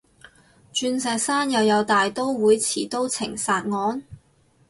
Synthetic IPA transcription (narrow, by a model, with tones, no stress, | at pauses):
t͡ʃyː˧nsɛː˨k̚saː˥njɐ˨˧wjɐ˨˧wt̪aː˨jt̪o˥wwuː˨˥jt͡sʰiː˨˩t̪o˥wt͡sʰɪ̰˨˩ŋsaː˨˧t̚ŋɔː˨˥n